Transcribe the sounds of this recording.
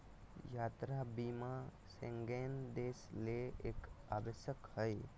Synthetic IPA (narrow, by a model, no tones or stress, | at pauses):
jaːt̪ɾabiːma | sẽŋɡeːnd̪eːsleḛːka̰ːbəʃjəkhəj